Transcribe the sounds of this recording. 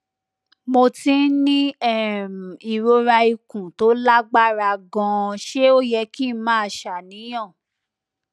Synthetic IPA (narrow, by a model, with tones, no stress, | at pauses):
mo˧tĩ˧˦nĩ˦ɛ˦˨m˨i˨ɾo˧ɾa˧i˧kũ˨to˨˦la˦ɡ͡ba˦˨ɾa˧ɡɔ̃˧ʃe˦o˦jɛ˧ki˦mãː˨˦a˧˨ʃa˨nĩ˨˦j̃ã˦˨